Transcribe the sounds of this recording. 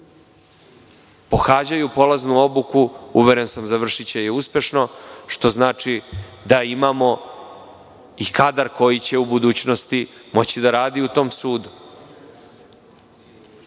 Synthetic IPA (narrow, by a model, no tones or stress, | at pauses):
po̞xaːd͡ʑajupo̞laznuo̞bukuuʋeɾe̞nsamzaʋr̩ʃit͡ɕejeuspʲje̞ʃno̞ʃt̪o̞znaːt͡ʂid̪aimamo̞ | ikad̪aɾko̞jit͡ɕe̞ubud̪uːt͡ɕno̞st̪imo̞t͡ɕid̪aɾaːd̪iut̪o̞ːmsuːd̪u